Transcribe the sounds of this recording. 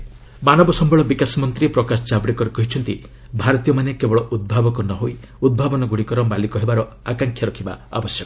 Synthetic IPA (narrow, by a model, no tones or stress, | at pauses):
manɔbɔsɔmbʱɔɭɔbikasɔmɔnt̪ɾipɾɔkasɔ̥t͡ʃabɽikɔɾekɔɦit͡ʃʰɔnt̪i | bʱaɾɔt̪ijɔmanekebɔɭɔʔud̪̚bʱabɔkɔnɔɦoi | ud̪̚bʱabɔnɔɡuɽikɔɾɔmbalikɔɦebaɾɔ | akaŋkʰjaɾɔkʰiba̰a̰bɔsjɔkɔ̥